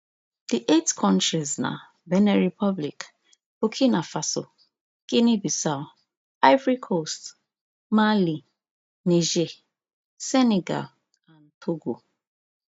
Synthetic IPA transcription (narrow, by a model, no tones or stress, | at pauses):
d̥iʔetkʰɔ̃ntɹizna̰ | bɛnɛɹipʰɔblḭk | bokʰinafaso̰ | kinibisaʊ | aɪvɹikʰost | mali | niʒe | sɛneɡa̰l | ãntʰoɡo